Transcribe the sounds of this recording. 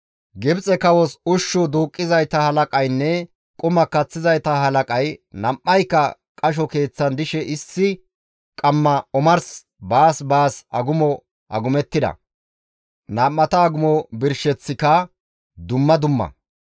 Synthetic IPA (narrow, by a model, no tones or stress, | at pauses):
ɡɪbt͡sʼɛkɐwɔsʊʃːɔd̪uːkʼːɪzɐjt̪ɐhɐlɐkʼɐjnːɛ | kʼʊmɐkːɐt͡sːɪzɐjt̪ɐɦɐlɐkʼɐjnɐmʔːɐjkːɐ | kʼɐʃ̬ɔke̞ːt͡sːɐnd̪ɪʃɛʔɪsːɪ | kʼɐmːɐɔmɐɾs | baːsbaːsɐɡʊmɔ | ʔɐɡʊmɛt̪ːɪd̪ɐ̰ | naːmːɐt̪ɐːɡʊmɔbɪɾʃɛt͡sːɪkɐ | d̪ʊmːɐd̪ʊmːɐ̰